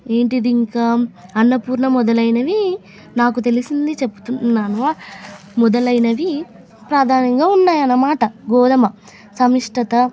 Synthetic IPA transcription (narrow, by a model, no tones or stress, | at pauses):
e̞ːɳʈid̪iŋkaːɐnːɐpuːɾɳɐmɔd̪ɐlɐjnɐʋi | naːkut̪e̞lisind̪it͡ʃepːu̥t̪unnːaːnuaː | mɔd̪ɐlɐjnɐʋi | pɾaːd̪ʱaːnɐŋɡaːunːaːjɐnːɐmaːʈɐɡɔːd̪ɐmɐ | sɐmiʂʈɐt̪ɐ